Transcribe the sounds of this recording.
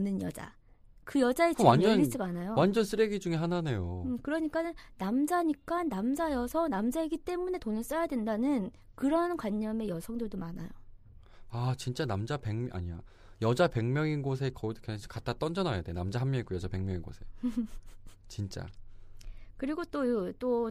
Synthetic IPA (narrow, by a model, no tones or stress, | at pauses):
nɯnjʌd͡ʑa̰ | kɯjʌd͡ʑaekwand͡ʑʌnit͡ɕ͈iɡanajowand͡ʑʌns͈ʰɯɾeɡid͡ʑuŋe̞ɦanane̞joɯkɯɾʌɲik͈anɯnnamd͡ʑaɲik͈anːamd͡ʑajʌsʰʌnamd͡ʑaeɡit͈e̞mune̞tonɯɭs͈ajadwe̞ndanɯn | kɯɾʌnkwaɲːʌme̞jʌsʰʌŋdodomana̰jo | at͡ɕint͡ɕ͈anamd͡ʑape̞ŋmʔa̰ɲija̰ | jʌd͡ʑape̞ŋmʲjʌŋinɡos̬ʰe̞kʌiokaɕʰi̥kat͈ʰat͈ʌnd͡ʑʌnajadenamd͡ʑaɦammjʌiɡojʌd͡ʑape̞ŋmʲjʌŋinɡo̰sʰe̞̰ | t͡ɕint͡ɕ͈a̰ | kɯɾiɡot͈ot͈o